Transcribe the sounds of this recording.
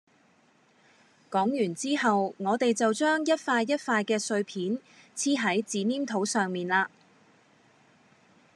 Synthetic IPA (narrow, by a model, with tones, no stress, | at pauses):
kɔː˨˥ŋjyː˨˩nt͡siː˥ɦɐ˨wŋɔː˨˧t̪e˨jt͡sɐ˨wt͡ʃœː˥ŋjɐ˥t̚faː˧jːɐ˥t̚faː˧jkɛː˧sɵ˧ɥpʰiː˨˥nt͡sʰiː˥ɦɐ˨˥jt͡siː˨˧niː˥mt̪ʰo˨˥wsœː˨ŋmiː˨nlaː˧